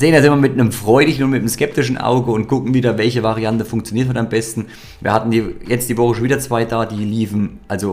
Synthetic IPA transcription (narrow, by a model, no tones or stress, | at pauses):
zeːəndazɪnmɐmɪtnəmfʁ̥ɔʏdɪçn̩ʊnmɪtnəmskɛp̚tɪʃn̩ʔa̰ʊɡəʊnt̚ɡ̥ʊkŋ̩viːdɐvɛlçəvaʁiantəfʊŋkt͡sjoniːɐtʰhatambɛstn̩ | viːɐhatn̩diːjɛt͡std̥iːvɔχəʃonviːdɐt͡sv̥aɪdaːdiːliːfn̩ʔalzo